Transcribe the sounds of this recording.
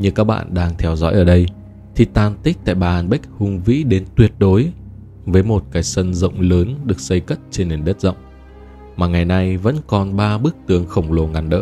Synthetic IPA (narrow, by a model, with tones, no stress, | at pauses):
ɲɨ˧˩kaː˦˥k̚ɓa̰ː˧˨nɗaː˧ŋt̪ʰɛ˧wzɔ̰˧˥jʔəː˧˩ɗə˧j | t̪ʰi˨˩t̪aː˧˩nt̪ï˦˥k̚t̪a̰ː˧˨jɓaː˨˩ʔaː˨˧˩nɓa˦˥k̚hʊ˧ŋvḭ˧˥ɗe˨˦nt̪wi˨˩ət̚ɗo˨˦j | vəː˨˦jmo˨˩t̚kaː˨˦jsə˧nzə̰˧˨wŋ͡mləː˨˦nɗɨ˨˩ək̚sə˧jkə˦˥t̚t͡ɕe˧nːe˨˩nɗə˦˥t̚zə̰˧˨wŋ͡m | maː˨˩ŋa˨˩jna˧jvə̰˧˥nkɔ˨˩nɓaː˧ɓɨ˦˥ək̚t̪ɨ˨˦əŋxə˧˩wŋ͡mlo˨˩ŋa˨˩nɗə̰ː˧˥